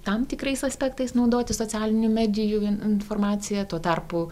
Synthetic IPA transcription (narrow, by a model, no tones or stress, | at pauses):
t̪ɐmt̪ʲɪkɾɐɪsɐsʲpʲæk̚t̪ɐɪsnɐʊd̪oːt̪ʲɪsot͡sʲæːlʲɪnʲumʲæːd̪ʲɪjuɪɪnfoːrmɑːsʲɪjɛt̪uɔt̪ɑrpʊ